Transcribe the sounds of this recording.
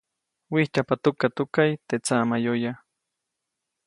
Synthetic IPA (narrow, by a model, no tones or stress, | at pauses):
wiht͡ʃapat̪ʊkat̪ʊkajt̪et͡samajoja